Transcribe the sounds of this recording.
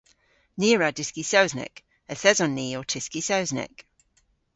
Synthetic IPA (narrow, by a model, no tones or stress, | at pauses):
nɪəɹadɪskisəʊznɛ̰k | əθɛzənːiːɔtʰɪskisəʊznɛ̰k